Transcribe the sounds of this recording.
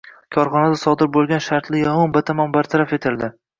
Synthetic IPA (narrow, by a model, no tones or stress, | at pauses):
kʰɒɾχɒnad̪asɒd̪ɪɾbolˠɡʲanʃaɾt̪lɪjɒmɒnbat̪ʰamɒnbaɾt̪ʰaɾafe̞t̪ʰɪld̪ɪ